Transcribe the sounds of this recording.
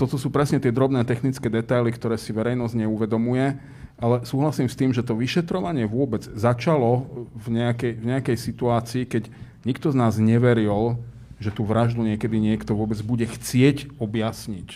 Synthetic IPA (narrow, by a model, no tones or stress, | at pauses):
t̪ɔt̪ɔsuːpɾɛsɲɛt̪ɪɛd̪ɾɔbnɛːt̪ɛxnit͡skɛːd̪ɛt̪ajlikt̪ɔɾɛːsiʋɛɾɛjnɔzɟɲɛuʋɛd̪ɔmujɛ | alɛsuːɦlasiːmst̪iːmʒɛt̪ɔʋiʃɛt̪ɾɔʋaɲɪɛʋʊɔbɛd͡zzat͡ʃalɔvɲɛakɛjvɲɛakɛjsit̪uaːt͡siːkɛɟ | ɲikt̪ɔznaːzɲɛʋɛɾil | ʒɛt̪uʋɾaʒd̪uɲɪɛkɛd̪iɲɪɛkt̪ɔʋʊɔbɛd͡zbuɟɛxt͡sɪɛcɔbjasɲic